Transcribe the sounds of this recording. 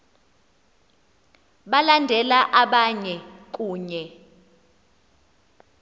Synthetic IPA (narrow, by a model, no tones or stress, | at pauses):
ɓalandʱɛlaʔaɓaɲɛk̬ʼuːɲɛ